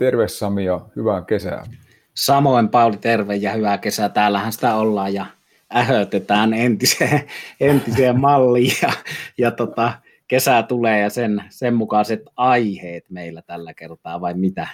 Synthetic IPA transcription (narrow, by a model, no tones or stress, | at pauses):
t̪erʋessɑmijɑhyʋæŋkesæ̰ˑn | sɑmoˑimpɑˑulit̪erʋejjɑhyʋækesæt̪æːlːæhænsi̥t̪æolːɑːjjɑ | æhøt̪et̪æːnent̪iseːent̪iseːmmɑlːijjɑjɑt̪ot̪ɑ | kesæt̪uleːjɑsensemmukɑset̪ɑiheːt̪meˑilːæt̪ælːækert̪ɑːʋɑˑimmit̪æ